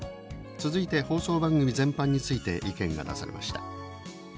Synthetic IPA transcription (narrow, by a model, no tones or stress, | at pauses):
t͡sɨzɨit̪e̞ho̞ːso̞ːbãŋɡɯ̟mʲizẽ̞mpãɲ̟ːit͡sɨit̪e̞ʔikẽ̞ŋɡa̰d̪a̰saɾe̞̰mʔa̰ɕi̥t̪a